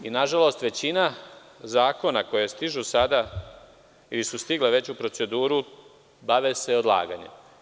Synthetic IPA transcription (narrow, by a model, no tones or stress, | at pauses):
inaʒalo̞st̪ʋe̞t͡ɕina | zaːko̞nako̞jest̪iʒusad̪a | ilisust̪iɡleʋe̞t͡ɕupɾo̞t̪se̞d̪uːɾu | baʋese̞o̞d̪lˠa̰ːɡa̰ɲe̞̰m